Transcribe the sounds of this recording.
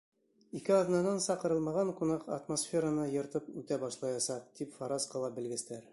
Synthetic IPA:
ikɘɒðnɑnɑnsɑqɤ̆ɾɤ̆lˠmɑʁɑɴkunɑqɐ̰t̪mosfʲeɾənɤjɤ̆ɾt̪ɤpʉt̪æbɒʃlˠɑjɑsɑq̚t̪ipfɑɾɑsqɤ̆lˠɑbɘ̆lɡɘ̆st̪æɾ

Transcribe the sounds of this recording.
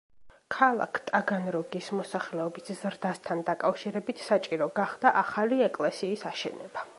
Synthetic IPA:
kʰalˠa̰kʰt̪ʼaɡanɾɔɡismɔsaχlɛɔbiszɾd̪ast̪ʰand̪akʼafʃiɾɛbit̪ʰsat͡ʃʼiɾɔɡaχd̪̥aʔaχaliɛkʼlɛsiːsaʃɛ̰nɛb̥a

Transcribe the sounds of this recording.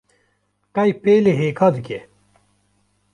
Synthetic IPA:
kɐjpeleɦeːkʰad̪ke

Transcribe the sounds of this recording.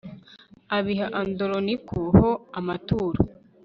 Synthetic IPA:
aβiɦaʔandoɾonikʰuhoamatuːɾo

